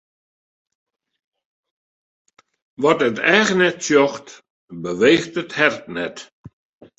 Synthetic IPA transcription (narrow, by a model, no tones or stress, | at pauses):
ʋɔtətɛːɣənɛtsjɔxt | bəʋeːxtəthɛrtnɛt